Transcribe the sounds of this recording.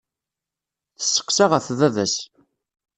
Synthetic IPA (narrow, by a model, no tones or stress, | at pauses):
θə̥sːə̥qsaʁəθðæðæs